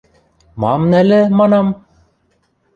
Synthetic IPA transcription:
mɑmnælɘ̆mɑnɑm

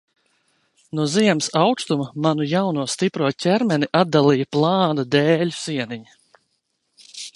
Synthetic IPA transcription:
nuɔziɛmsawkst̪umamanujawnuɔst̪ipɾuɔcʲɛɾmɛniʔad̪alˠijplˠɑːnad̪ɛːʎʲu̥siɛniɲi

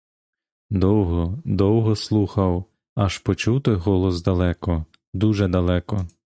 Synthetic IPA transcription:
d̪ɔwɦɔd̪ɔwɦɔslˠuxɐw | ɐʃpɔt͡ʃuwt̪ɔjɦɔlˠɔzd̪ɐlˠɛkɔ | d̪uʒɛd̪ɐlˠɛkɔ

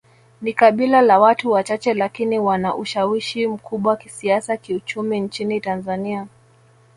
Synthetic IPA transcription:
nikaɓilalawatuwat͡ʃat͡ʃɛlakiniwanaʔuʃawiʃim̩kʰuɓwaki̥siasakiut͡ʃumint͡ʃinitanzania

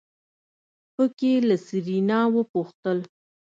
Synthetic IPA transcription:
pəkelasiɾinɑwəpuxt̪əl

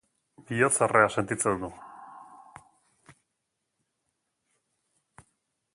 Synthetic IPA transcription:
biot͡sarease̞nt̪it͡send̪u

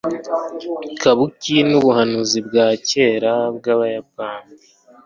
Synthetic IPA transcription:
kʰaβucinuβuhanuzibɡaːce̞ːɾabɡaːβajappaːndi

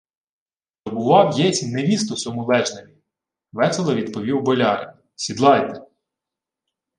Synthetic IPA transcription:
t̪ɔbʊʋɑwjɛt͡sʲineʋʲist̪ɔsɔmʊlˠɛʒnemʲi | ʋɛselˠɐʋʲid̪pɔʋʲiwbɔlʲɑɾḛn | sʲid̪lˠɑjt̪ɛ̥

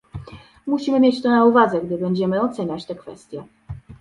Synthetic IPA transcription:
muɕimɘmʲjet͡ɕt̪ɔnauvad̪zɛɡd̪ɘbɛɲd͡ʑɛmɘɔt̪sɛɲat͡ɕt̪ɛkfɛ̰st̪ʲjɛ

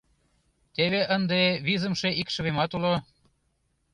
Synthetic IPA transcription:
t̪eβeʔənd̪eβizə̆mʃeʔikʃə̆βemɑt̪ulo

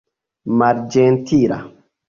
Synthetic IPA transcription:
maɾd͡ʒɛntʰiɾa̰

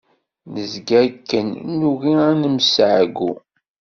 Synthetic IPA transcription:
nəzɡæɾkːənnuɣiænəmsʕɡu

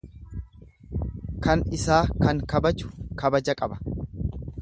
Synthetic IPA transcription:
kʰɐnɪsaːkɐŋkɐbɐd͡ʒʊ̥kɐbɐd͡ʒɐkʼɐbɐ̥

